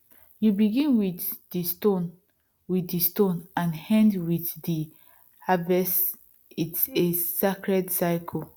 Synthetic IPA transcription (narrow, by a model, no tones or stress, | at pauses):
jubiɡĩnwiddistõn | wiθistõnãnhɛ̃ndwiθdi | havɛs | itsesakɹɛdsaɪkʰɔ